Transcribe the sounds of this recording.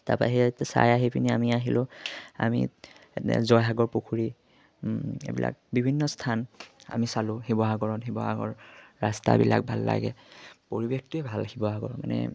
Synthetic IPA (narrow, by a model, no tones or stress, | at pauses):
taɹpaɦitɛsa̰jaɦipʰiniamiaɦilʊa̰miɛtɛ̰zɔjɦaɡɔɹpukʰuɹi | ebila̰k̚bibʱinːɔstʰana̰misalʊ̃hibɔɦaɡɔɹɔnɦibɔɦa̰ɡɔ̰ɹːasta̰bilak̚bʱalːa̰ɡɛpoɹibekʰtʊɛbʱalhibɔɦaɡɔɹɔmanɛ